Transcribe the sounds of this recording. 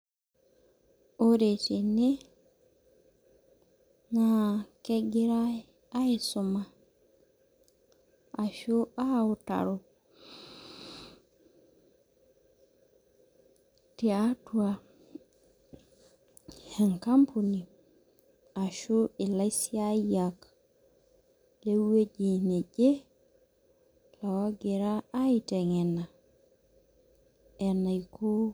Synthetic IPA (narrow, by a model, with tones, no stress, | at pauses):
o˦ɾe˨tini˦ | ŋa˨keɡi˦ɾa˦ | a˦i˨so˨ma˨ | a˨ʃu˦a˦u˨ta̰˨ɾo | ti˨atu˦a | he˨ŋka˦mpʰu˨ni˨ | a˨ʃu˦i˨la˦isi˦a˦jak | le˦we˦ɟi˨ne˨ɟe˦ | la˨wa˦ɡe˨ɾa˦a˦ite˨ŋe˨na˨ | e˨na˨ikʰo˦